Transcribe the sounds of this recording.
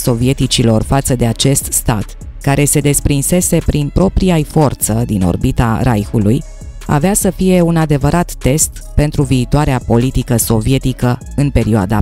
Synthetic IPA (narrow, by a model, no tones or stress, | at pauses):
so̞vie̞t̪it͡ʃilo̞rfat̪səd̪e̞at͡ʃe̞st̪st̪at̪ | kaɾe̞se̞d̪e̞spɾinse̞se̞pɾinpɾo̞pɾiajfo̞rt̪səd̪ino̞̰rbit̪a̰ɾa̰jxuluj | a̰veasəfije̞unad̪e̞vəɾat̪ːe̞st̪ | pe̞nt̪ɾuviːt̪oaɾeapo̞lit̪ikəso̞vie̞t̪ikə | ɨnpe̞ɾioa̰d̪a